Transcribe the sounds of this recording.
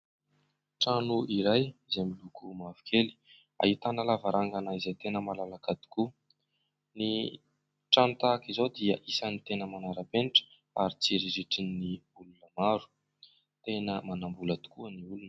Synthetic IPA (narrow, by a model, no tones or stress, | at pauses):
ʈ͡ʂanuiɾajizemilukumavu̥kʰeli̥ | a̰ɦit̪anəlavaɾʔaŋɡanaizajt̪enəmalalakad̪i̥ku | ni | ʈ͡ʂanut̪akizod̪iəʔisanit̪enəmanaɾapeniʈ͡ʂə̥ | aɾit͡siɾiɾiʈ͡ʂinːiulunəmaɾu̥ | t̪enəmanambulat̪u̥kuəniulunə